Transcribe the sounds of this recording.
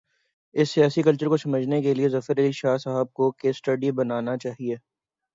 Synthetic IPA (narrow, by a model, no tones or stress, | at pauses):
ɪsːijaːsikɐlt͡ʃəɾkosɐməd͡ʒʱnekeliezɐfəɾɐliʃaːsaɦəb̚kokeːsʈɐɖibɐnaːnat͡ʃaːɦieː